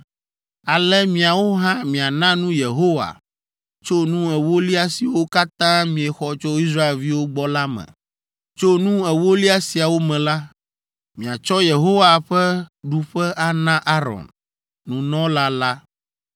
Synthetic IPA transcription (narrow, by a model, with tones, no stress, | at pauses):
a˨lɛ˦mĩ˨a˨wo˦ɦã˦mĩ˨a˨nã˦nũ˦je˨ɦo˦wa̰˨ | t͡ʃo˦nũ˦ɛ˨wo˦li˦a˦si˨wo˦ka˦t̪ã˦mĩ˨ɛ˨xɔ˦t͡ʃɔ˦i˦s̬ɾa˦e˨lvi˦wo˦ɡ͡bɔ˦la˦mɛ̰̃˨ | t͡ʃo˦nũ˦ɛ˨wo˦li˦a˦si˨a˨wo˦mɛ̃˨la˦ | mĩ˨a˨t͡ʃɔ˦je˨ɦo˦wa˨ɸɛ˦ɖu˨ɸɛ˦ʔa˨nã˦ʔa˦ɾɔ̰˨n | nũ˨nɔ̃˦la˦la˦